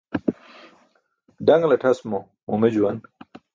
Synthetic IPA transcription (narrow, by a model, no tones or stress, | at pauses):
ɖɐŋɡlɐʈʰɐsmo | umed͡ʑuwɐn